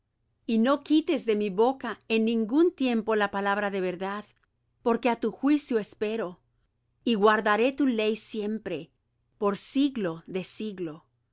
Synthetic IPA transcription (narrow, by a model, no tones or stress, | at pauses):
ino̞kit̪e̞zðe̞miβokaenːĩŋɡunt̪je̞mpo̞lapalaβɾaðe̞βe̞ɾðað | po̞ɾke̞at̪uxwisjoespe̞ɾo̞ | iɣwaɾðaɾe̞t̪ule̞jsje̞mpɾe̞ | po̞ɾsiɣlo̞ðe̞siɣlo̞